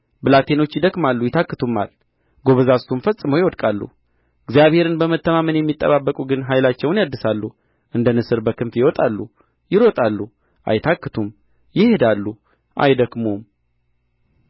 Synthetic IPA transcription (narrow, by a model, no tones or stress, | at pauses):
bɨlat̪ʰe̞no̞t͡ʃːjɪd̪əkʼmalːujɪt̪ʰakːɨt̪ʰumːa̰l | ɡo̞βəzasumfəsʼːɨməwjɪwɔd̪kʼalːṵ | ɨɡzjaβhe̞ɾɨnbəmət̪ːəmamənjɛmːit̪ʼːə̰βabːəkʼuɡɨnɦajlat͡ʃːɛwnjad̪ːɨsalːu | ʔɨnd̪ənɨsɨɾbəkʰɨmfjɪwɔt̪ʼalːu | jɪɾo̞t̪ʼalːu | ʔa̰jt̪ʰakːɨt̪ʰum | jɪhe̞d̪alːu | ʔa̰jd̪əkmum